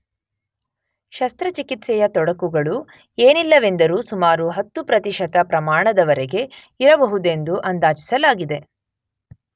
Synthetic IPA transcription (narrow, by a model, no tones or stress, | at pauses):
ʃɐst̪ɾɐt͡ʃikit̪sɛjɐt̪ɔɽɐkuɡɐɭu | eːnilːɐʋe̞nd̪ɐɾuːsumaːɾuɦɐt̪ːupɾɐt̪iʃɐt̪ɐpɾɐmaːɳɐd̪ɐʋɐɾɛɡe̞ | iɾɐbɐɦud̪e̞nd̪uʔɐnd̪aːt͡ʃi̥sɐlaːɡid̪e̞